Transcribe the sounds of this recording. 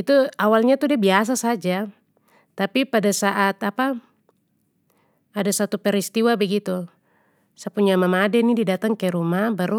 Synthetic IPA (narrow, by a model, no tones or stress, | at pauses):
it̪uawalɲat̪udiabias̬asad͡ʒa | t̪apipadasaʔat̪apa | adasat̪upɛɾist̪iwabɛɡit̪u | səpuɲamamadɛnididat̪aŋkɛɾumabaɾu